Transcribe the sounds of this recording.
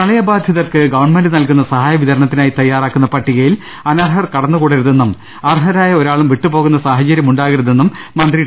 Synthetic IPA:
kɐɭɐjɐbaːd̪ʱjɐðɐrkɨɡɐʋɐɳmenɖɨnɐlkunːɐsɐɦaːjɐʋit̪ðɐɾɐɳɐt̪ːinaːjit̪ɐjːaːraːkːunːɐpɐʈːiɣɐjil | ɐnɐrɦɐrkɐɽɐnːɐkuːɽɐɾuðe̞nːum | ɐrɦɐɾaːjɐoɾaːɭumʋiʈːupo̞ːɣunːɐsaːɦɐt͡ɕɐɾjɐmuɳɖaːɣɐɾuðe̞nːumːɐnd̪ri

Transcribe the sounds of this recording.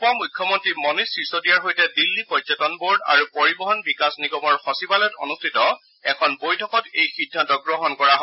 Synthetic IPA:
pɔmujkʰːjɔmɔntɹimɔnisɹisodijaɹɦojtɛdilːipɔzɔtɔnboɹda̰ɹupoɹibɔɦɔnbikasniɡɔmɔɹxɔsibalɔto̰nustʰitɔ | ɛkʰɔnbojtʰɔkɔtejxidʱːantɔɡɹɔɦɔnkɔɹaɦɔ

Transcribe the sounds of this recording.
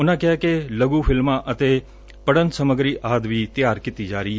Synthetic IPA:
ʊnãkɛkeləɡufʰɪlmãʔət̪e | pəɽənsəməɡɾiʔaːd̪ʋit̪jaːɾkɪt̪id͡ʒaːɾiːɦɛː

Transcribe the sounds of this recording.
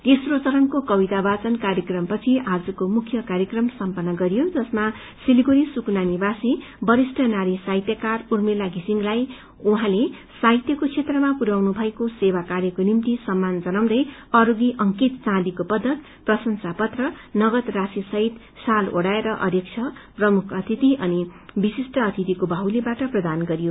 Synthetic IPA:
t̪esrot͡sʌɾʌnkokʌbit̪abat͡sʌnkaɾjʌkrʌmpʌt͡sʰiʔad͡zʌkomukʰjʌkaɾjʌkrʌmsʌmpʌnːʌɡʌɾijod͡zʌsma | siliɡoɾisuknanibasi | bʌɾisʈʰʌnaɾisajt̪jʌkarurmelaɡʱisiŋlaj | uɦãle | sajt̪jʌkot͡sʰet̪rʌmapuɾawnubʱʌekosewakaɾjʌkonimt̪isʌmːand͡zʌnawd̪ʌjʌɾoɡiʔʌŋkit̪t͡sãd̪ikopʌd̪ʱːʌt̪ | prʌsʌnsapʌt̪rʌnʌɡʌt̪rasisʌɦit̪ | saloɽaeɾʌʔʌ̰d̪ʱjʌk̚t͡ʃʰʌprʌmukʰʌt̪ʰit̪iʔʌnibisisʈʌːt̪ʰit̪ikobʱʌɦwlebaʈʌprʌd̪anɡʌɾijo

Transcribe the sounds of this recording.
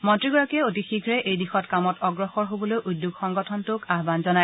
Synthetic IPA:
mɔntɹiɡɔɹakiɛotixikʰɹɛʔejdixɔtkamɔtɔɡɹɔxɔɹɦobɔlojʔudːuɡxɔŋɡɔtʰɔntʊkaɦbanzɔnaj

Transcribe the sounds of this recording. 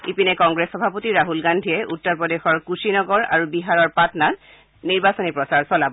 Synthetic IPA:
ipinɛkɔŋɡɹesxɔbʱapotiɹaɦulɡandʱiɛʔutːɔɹpɹɔdexɔɹkusinɔɡɔɹa̰ɹubiɦaɹɔɹpatɔnan | niɹbasɔnipɹɔsaɹsɔlabɔ

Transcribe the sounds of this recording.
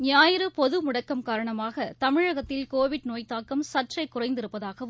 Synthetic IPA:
nɪjaːjɪɾɯpɔðɯmʊɽɐkːɐmkaːɾɐɳɐmaːɣɐt̪ɐmɪɻɐɣɐt̪ːɪlkoːʋɪɽnoːjt̪ːaːkɐmsɐʈrɐɪkːʊrɐɪnd̪ɪɾɯpːɐðaːɣɐʋ

